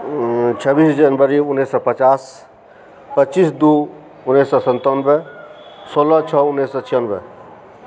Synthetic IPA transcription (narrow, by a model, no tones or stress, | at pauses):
t͡ʃʰəbisd͡ʒənbəɾiunːesɔpət͡ʃas | pətːt͡ʃisd̪u | unːesɔsənt̪ənbe | solɔt͡ʃʰɔunːesːɔt͡ʃʰijənbḛ